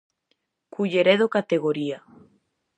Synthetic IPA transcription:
kuʎeɾeðokat̪eɣ̞oɾia

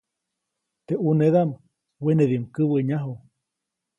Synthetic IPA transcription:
t̪eʔuneðam | weneðimkɨwəɲaɦo

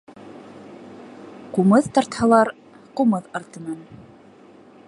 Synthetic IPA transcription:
qumɤðt̪ɑɾt̪hɑlˠɑɾ | qumɤðɑɾt̪ɤ̆nɑn

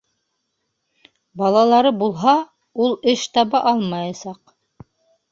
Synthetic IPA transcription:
bɑlˠɑlˠɑɾɤbulˠɦɑ | ulˠɘʃt̪ɑβɑʔɑlˠmɑjɑsɑq

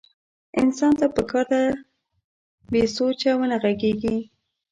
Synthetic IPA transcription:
ɪ̰nsɑnt̪apəkʰɑɾd̪a | besot͡ʃawənaɣaɡeɡi

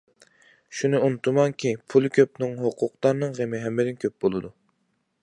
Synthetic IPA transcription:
ʃunɨunt̪ʰumɑŋkʲʰipʰulˠkʲʰøp̚nɨŋɦoqʰʊqt̪ɑɾnɨŋʁemɪɦɛmːɪd̪ɪnkʲʰøp̚bolˠɨd̪u

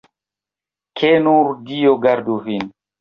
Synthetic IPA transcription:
kʰenuɾdijɔɡaɾduvin

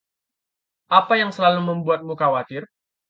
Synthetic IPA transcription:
ʔapajaŋsəlaluməmbuat̪̚mukawat̪ɪr

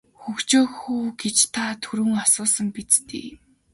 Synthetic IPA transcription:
xɵxt͡ɕoːxuːɡet͡ɕt̪ʰat̪ʰɵɾɵ̆ŋɔsʊːsə̆mpit͡st̪ḛː

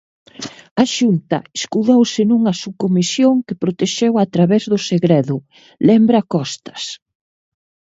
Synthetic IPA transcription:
ɐʃunt̪ɐ̰eskuðowsɪnuŋɐsukomisjoŋkɪpɾot̪eʃewat̪ɾaβɛzðʊseɣɾeðʊ | lɛmbɾɐkɔst̪ɐ̥s

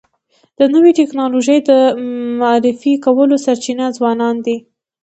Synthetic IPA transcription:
d̪̥ənəwiʈɪknɑloʒəjd̪əmaɾɪfikawəlosaɾt͡ʃinazwɑnɑnd̪i

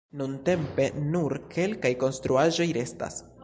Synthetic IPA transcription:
nunte̞mpe̞nuɾkʰe̞lkajko̞nst̪ɾuaʒo̞jɾe̞sta̰s

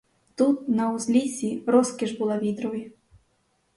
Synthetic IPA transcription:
t̪ut̪̚nɐwzʲlʲisʲiɾɔskʲiʐbulˠavʲid̪ɾɔvi

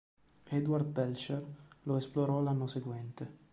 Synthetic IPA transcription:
ɛd̪ward̪̚bɛlt͡ʃerloesploɾɔlanːoseɡwɛnt̪e

